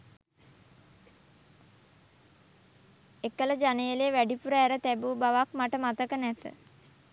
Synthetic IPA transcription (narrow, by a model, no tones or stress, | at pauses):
ekːələd͡ʒanejəleːʋæɖipuɾəæɾət̪æbuːbaʋakmaʈəmat̪əkənæt̪ə̰